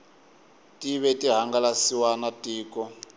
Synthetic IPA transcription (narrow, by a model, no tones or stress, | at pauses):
tʼiβɛtʼiɦaŋɡalasiwanatʼiːkɔ